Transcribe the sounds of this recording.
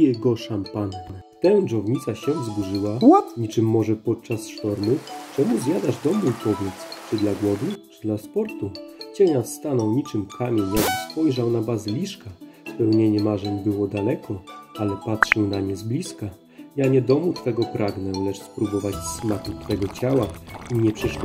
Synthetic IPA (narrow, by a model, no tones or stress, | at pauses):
jɛɡɔʂampanːɛt̪ɛwdɔvɲit̪saɕɛvzbuʐɘwaɲit͡ʂɘmːɔʐɛpɔt̪̚t͡ʂasʂt̪ɔɾmɘt͡ʂɛmuzʲjad̪aʐd̪ɔmujpɔvʲjɛt̪st͡ʂɘd̪laɡwɔvut͡ʂɘd̪laspɔɾt̪ut͡ɕɛɲast̪anɔwɲit͡ʂɘmkʰamʲjeɲjaɡspɔjʐawnabazɘlʲiʂkaspɛwɲɛɲɛmaʐɛɲbɘwɔd̪alɛkʰɔalɛpatʂɛwnamɲɛzblʲiska | jaɲɛd̪ɔmut̪fɛɡɔpɾʔaɡnɛlɛt͡ʂspɾubɔvat͡ɕsmakut̪fɛɡɔt͡ɕawaiɲɛpʂɛʂ